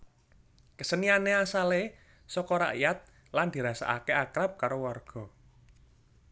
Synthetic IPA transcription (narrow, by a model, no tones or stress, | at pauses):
kəsənianeasale | sɔkɔɾa̰ʔijat̪̚ | land̪̥i̤ɾasa̰ʔa̰keakɾap̚kaɾowarɡ̥ɔ̤